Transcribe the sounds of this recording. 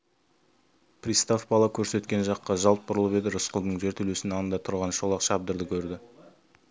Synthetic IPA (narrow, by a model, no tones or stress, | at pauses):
prʲist̪afbɑlˠɑkʲʰɵɾse̞t̪kʲe̞nʒɑqːɑʒɑlˠt̪̚bʊɾəlˠəpe̞d̪ɪɾʊsqəlˠd̪əɴʒe̞ɾt̪ʰʏlesɪnɑnənd̪ɑt̪ʰʊɾʁɑnʃo̞lˠɑqʃɑb̚d̪əɾd̪əkʲʰɵɾd̪ɪ